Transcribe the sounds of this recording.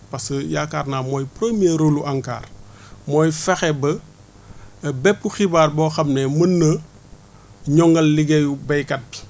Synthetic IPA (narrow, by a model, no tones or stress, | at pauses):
pɐsəjakaːrnamɔːjpɾemijeɾoluʔaŋka̰ːr | mɔːjfɛxɛbə | bɛpːuxibaːrbɔxɐmnɛmənːə | ɲɔŋɡɐlːiɡejubɐjkɐt̚bi̥